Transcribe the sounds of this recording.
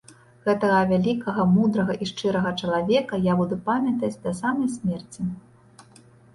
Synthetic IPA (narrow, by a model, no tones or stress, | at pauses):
ɣɛt̪ɐɣɐvʲalʲikɐɣɐmud̪ɾɐɣɐʔiʂt͡ʂɨɾɐɣɐt͡ʂɐlˠavʲɛkɐjabud̪upamʲɐt̪ɐt͡sʲd̪ɐsamɐjsʲmʲɛrt͡sʲi